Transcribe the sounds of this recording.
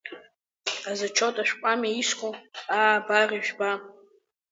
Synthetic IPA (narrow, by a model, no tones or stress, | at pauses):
azat͡ʃʰotʼaʃᶣkʷʼamaiskʷʼoabariʒᶣba